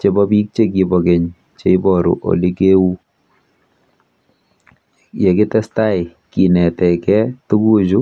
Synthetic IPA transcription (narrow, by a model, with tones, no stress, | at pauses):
t͡ʃe˨bɔ˦bi˦k̚t͡ʃe˦k̬i˨bɔ˨ke˨ɲ | t͡ʃe˦i˦bɔ˨ɾṵ˨ʔo̰˨li˦ke˦u˦ | je˨kɪ˦tɛ˦sta˦ɪ˨ | ki˨nɛ˨tɛ˨kɛ˦tu˦ku˦t͡ʃu˦